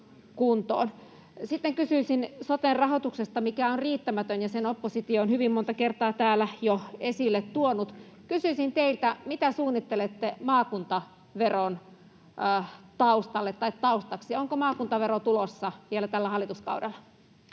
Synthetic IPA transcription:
kunt̪o̰ːn | sit̪ːeŋkysyisinsot̪errɑhot̪uksest̪ɑmikæonriːt̪ːæmæt̪ønjɑsenopːosit̪ioːnhyʋimmont̪ɑkert̪ɑːt̪æːlæjoesilːet̪t̪uonut̪ | kysyisint̪eilt̪æmit̪æsuːnːit̪ːelet̪ːemɑːkunt̪ɑ | ʋeronː | t̪ɑust̪ɑlːet̪ːɑit̪tɑust̪ɑksioŋkomɑːkunt̪ɑʋeɾot̪ulosːɑʋielæt̪ælːæhɑlːˑit̪uskɑ̰uwdelːɑ

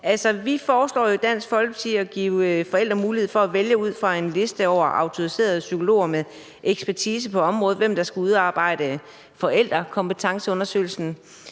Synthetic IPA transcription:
ælsɒʋifɒːslɒ̰ːjo̝d̥æn̰sɡ̥fɒ̽lɡ̥t͡sʰiɒ̽ɡ̥ḭːʊfɒ̽el̰d̥ʁɐmuːlihe̝ð̰ˠfɒ̽æʋeljəuð̞̰ˠfʁɑ̈e̝nle̝sd̥əɒʊ̰ɐʔɑ̈ʊt͡sʰo̝ise̝̰ːɐð̞ˠsykʰo̝lo̝̰ːɐme | eɡ̥sb̥æɐt͡sʰiːs̬əpʰɒ̽ɒ̽mʁɔ̽ːð̞̩ˠʋem̰d̥ɑ̈sɡ̥æuð̞ˠɑ̈ːb̥ɑ̈ɪ̰d̥ə | fɒ̽el̰d̥ʁɐkʰɒ̽mpət͡sʰɑ̈ŋsəɔ̽nɐsø̰ɪlsn̩

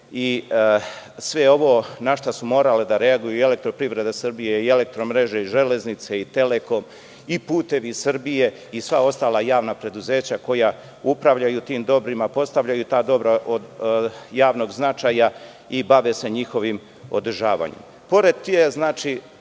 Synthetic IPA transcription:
i | sʋe̞o̞ʋo̞ːnaʃt̪asumo̞ːɾaled̪aɾe̞aɡujuiele̞k̚t̪ɾo̞pɾivɾe̞d̪asr̩bije̞ie̞le̞k̚t̪ɾo̞mɾe̞ʒe̞iʒe̞le̞znit̪seit̪e̞le̞ko̞m | ipuːt̪e̞ʋisr̩bije̞ | isʋao̞st̪aːlajaːʋnapɾe̞d̪uze̞ːt͡ɕako̞ja | upɾaʋʎajut̪iːmd̪o̞bɾimapo̞st̪aʋʎajut̪aːd̪o̞bɾaʔod̪jaːʋno̞ɡznat͡ʃaja | ibaʋe̞se̞ɲixo̞ʋim | o̞̰d̪r̩ʒaːʋa̰ɲḛm | po̞ɾe̞d̪̚t̪ːieznaːt͡ʃi

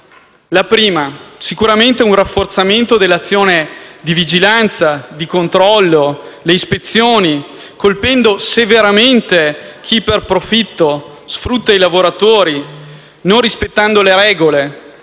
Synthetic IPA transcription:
lapɾiːmasikuɾament̪eunrafːort̪sament̪od̪elːat̪sːjoːned̪ivid͡ʒilant̪sad̪ikont̪ɾɔlːoleispet̪sːjoːni | kolpɛnd̪oseveɾament̪ekʰiperpɾofit̪ːo | sfɾut̪ːailavoɾat̪oːɾi | nõnrispet̪ːand̪oleɾɛːɡole

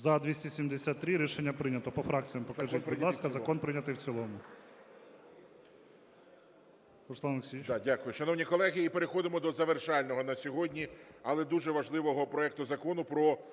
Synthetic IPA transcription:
zɐd̪ʋʲisʲtʲisʲimd̪esʲat̪ːɾɪɾʲiʃenʲːɐpɾɪnʲɐt̪ɔpɔfɾʔɑk̚t͡sʲijɐmpɔkɐʒiid̪ˠɑskɐzzɐkɔnpɾɪnʲɐt̪ɪwt͡sʲilˠɔmʊ | ɾʊsˠɑnˠeksʲidʲakʊjʊʃɐnɔwnʲikɔlˠɛɦʲiːpeɾexɔd̪ɪmɔd̪ɔzɐʋerʃɑlʲnɔɦɔnɐsʲɔɦɔdʲnʲiɐlˠɛd̪uʒɛʋɐʒlˠɪʋɔɦɔpɾɔɛk̚t̪ʊzɐkɔnʊpɾɔ

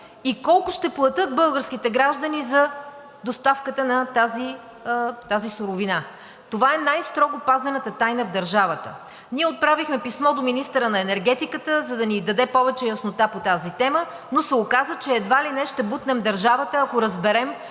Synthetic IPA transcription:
ikɔlˠkʊʃt̪ɛplˠɐt̪ɤt̪̚bɤlˠɡəɾskit̪ɛɡɾaʒd̪ənizɐ | d̪ost̪afkət̪ənɐt̪azi | t̪azisʊɾʊvina | t̪ovaɛnajst̪ɾɔɡʊpazɐnət̪ət̪ajnəvd̪ɐɾʒavət̪ə̰ | niɛot̪̚pɾavixmɛpismɔd̪ominist̪əɾənɐɛnɛɾɡɛt̪ikət̪əzɐd̪ɐnid̪ɐd̪ɛpɔvɛt͡ʃɛjɐsnot̪apot̪azit̪ɛmə | nosɛokazət͡ʃɛːd̪valinɛʃt̪ɛbut̪nɛmd̪ɐɾʒavət̪əɐkoɾɐzbɛɾɛm

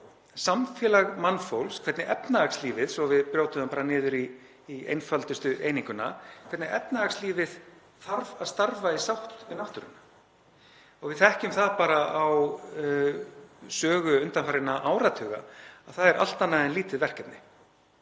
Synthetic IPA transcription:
samfjɛːlaɣmanːfowlskʰvɛt̪nɪʔɛpnaaksliːvɪðsɔvɪðpɾjoːwt̪ʏampaːɾanɪːðʏɾiː | ḛjnfalt̪ʏst̪ʏʔejniŋkʏnakʰvɛt̪nɪʔɛpnaaksliːvɪð | θaɾvaðst̪aɾvaisawht̪ɪnaht̪ʏɾʏ̰nːa | ɔɣvɪðθɛhcʏmθaðpaːɾaaw | sœːɣʏʏnt̪anfaːɾɪnaʔawɾat̪ʰœɣa̰aðθaðɛɾʔa̰l̥t̪anːaðɛnliːt̪ɪðvɛr̥cɛt̪nɪ

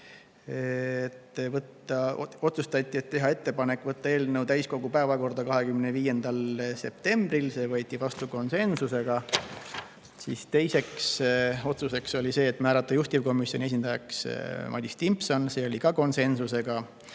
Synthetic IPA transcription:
et̪ːvɤt̪ːˑɑo̞t̪sust̪ɑt̪ʲˑːie̞t̪ːe̞ɦɑe̞t̪ːe̞pɑne̞kːˑvɤt̪ːɑe̞ːlnewt̪æjsko̞ɡ̥upæevɑko̞rd̪ɑkɑɦe̞kymneviːje̞nd̪̥ɑlse̞p̚t̪e̞mb̥rilse̞ːvɤːt̪ʲːˑivɑst̪uko̞nse̞nsuse̞ɡ̥ɑ | siːst̪e̞jse̞kso̞t̪suse̞kso̞lʲise̞ːt̪mæːɾɑt̪ːˑɑjust̪ivko̞misjo̞nʲie̞s̬ʲind̪̥ɑjɑksmʔɑ̰d̪ʲist̪impso̞nse̞ːo̞likɑko̞nse̞nsuse̞ɡ̥ɑ

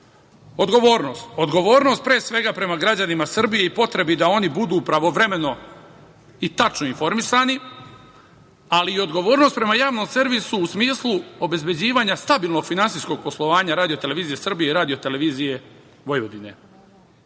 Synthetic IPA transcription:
o̞d̪ɡo̞ʋo̞ːɾnoːst̪o̞d̪ɡo̞ʋoːɾno̞st̪̚pɾeːsʋe̞ɡapɾe̞maɡɾad͡ʑanimasr̩bije̞ipo̞t̪ɾe̞bid̪ao̞nibud̪uːpɾaʋo̞ʋɾe̞me̞no̞ | it̪at͡ʃnoinfo̞ɾmisaːni | aliːo̞d̪ɡo̞ʋo̞ːɾnost̪pɾe̞majaːʋno̞mse̞ɾʋisuːsmiːslˠuo̞be̞zbe̞d͡ʑiːʋaːɲast̪abiːlˠno̞ɡ̥finansiːsko̞ɡ̚po̞slˠo̞ʋaːɲaɾaːd̪ijo̞t̪eleʋiːzije̞sr̩bijeiɾaːd̪iot̪e̞le̞ʋiːzije̞ | ʋo̞jʋod̪ine̞̰

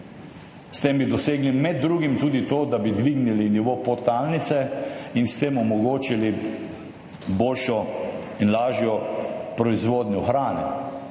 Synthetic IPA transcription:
st̪embid̪ɔseːɡlimɛd̪ːɾuːɡimt̪uːd̪it̪oːd̪abid̪ʋiɡniliniʋopot̪aːlnit̪sɛinst̪emɔmɔɡoːt͡ʃili | boːlʃɔ | inlaːʒjɔpɾɔizʋoːd̪nʲɔxɾaːnɛ

